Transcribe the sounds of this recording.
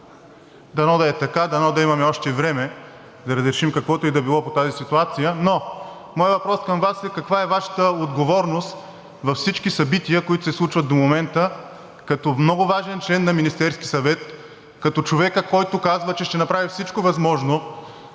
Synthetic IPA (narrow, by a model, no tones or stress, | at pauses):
d̪ɐnɔd̪ɐɛt̪ɐkad̪ɐnɔd̪ɐimɐmɛɔʃt̪ɛvɾɛmɛ | d̪ɐɾɐzɾɛʃimkɐkvɔt̪oɛd̪ɐbilˠɔpot̪azisit̪uat̪sijəno | mɔjəvɐpɾɔskɐmvasɛkɐkvaɛvaʃə̥t̪əod̪ɡovɔɾnost̪ | vɐfsit͡ʃkisɐbit̪ijəkoit̪oʊsɛslˠut͡ʃvɐt̪̚d̪omomɛnt̪ə | kɐt̪ɔmnɔɡʊvaʒɛnt͡ʃɛnːɐminist̪ɛɾskisɐvɛt̪ | kɐt̪ɔt͡ʃovɛkəkɔjt̪ʊkazvət͡ʃɛʃt̪ɛnɐpɾavifsit͡ʃkovɐzmɔʒno